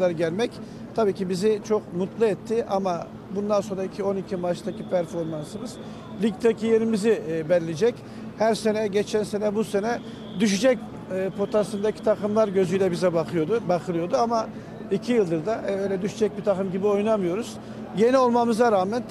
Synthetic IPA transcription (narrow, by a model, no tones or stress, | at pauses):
d̪aɾɟælʲmɛc | t̪ʰabiːcibizit͡ʃʰo̞kmut̪lˠɯɛt̪ʰːɪʔama | bund̪anso̞nɾaicʰio̞nicʰimaʃt̪ʰacʰipʰæɾfo̞ɾmansɯmɯz̥ | lʲikt̪ʰacʰije̞ɾimizibɛllʲed͡ʒɛc | hæɾse̞nɛɟet͡ʃʰænse̞nɛbuse̞nɛ | d̪yʃ̬yd͡ʒɛc̚ː | pʰo̞t̪ʰasɯnd̪acʰi̥t̪ʰakʰɯmlˠaɾɟø̞zyjlʲɛbizɛbakɯjod̪bakʰɯlˠɯjo̞d̪uama | icʰijɯlˠd̪ɯɾd̪aʔɛøjlʲɛd̪yʃyd͡ʒɛc̚bit̪ʰakɯmɟibio̞jnamɯjo̞ɾuz̥ | je̞nio̞lˠmamɯzaɾaːmɛn